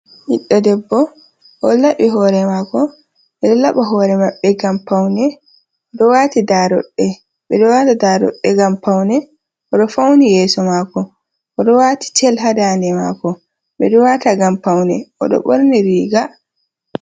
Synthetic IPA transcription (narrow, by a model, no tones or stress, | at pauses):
hiɗːɔdɛbːɔ | ʔɔlaɓiɦɔːɾɛmakɔ | ɓɛɗɔlaɓaɦɔɾɛmaɓːɛɡampawnɛ | ɔɗɔwatidaɾɔ̰ɗːɛ | ɓɛɗɔwatadaɾɔ̰ɗːɛɡampawnɛ | ʔɔɗɔfawnijɛːsɔmaːkɔ | ʔɔɗɔwaːti̥tʰɛlɦadaːndɛma̰ːkɔ | ɓɛɗɔwataɡampawnɛ̰ʔɔ̰ɗɔ̰ɓɔ̰ɾnɛɾiːɡa